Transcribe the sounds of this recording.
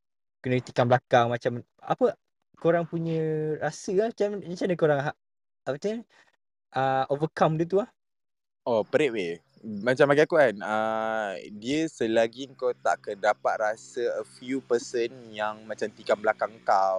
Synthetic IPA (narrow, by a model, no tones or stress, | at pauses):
kənət̪ikanblakaŋmat͡ʃam | a̰pə | koɾaŋpuɲə̃ɾasəat͡ʃamd͡ʒat͡ʃanəkoɾaŋɦaʔ | apət̪aɲə | ʔəʔovəkamdiət̪̬uah | ʔopəɾɛʔwe | mat͡ʃambaɡaakuanə | diəsəlaɡiŋkot̪a̰ʔkədapat̪̚rasəəfjupəsənjaŋmãt͡ʃamt̪ikanblakaŋkaw